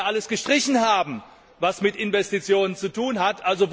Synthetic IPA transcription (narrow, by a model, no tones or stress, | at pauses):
ʔaləsɡ̥əʃtʁ̥ɪçn̩haːbm̩ | vasmɪtʔɪnvɛstit͡sjoːnənt͡sutuːnɦatʔalzov